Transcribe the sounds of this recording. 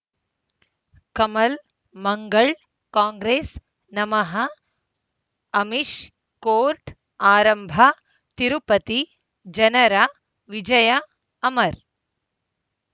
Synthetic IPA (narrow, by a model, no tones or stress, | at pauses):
kɐmɐl | mɐŋɡɐɭ | kaːŋɡɾeːs | nɐmɐɦɐ | miʃ | koːɾʈ | aːɾɐmbʱɐ | t̪iɾupɐt̪i | d͡ʒɐnɐɾa | ʋid͡ʒɐjɐː | mɐɾ